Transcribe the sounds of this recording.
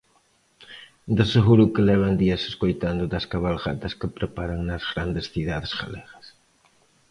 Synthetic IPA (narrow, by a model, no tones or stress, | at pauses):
d̪eseɣuɾukɪlɛβ̞ɐnd̪iɐse̥skojt̪and̪ʊðɐskaβalɣat̪ɐskɪpɾepaɾɐŋnɐzɣɾand̪esθiðaðesɣaleɣɐs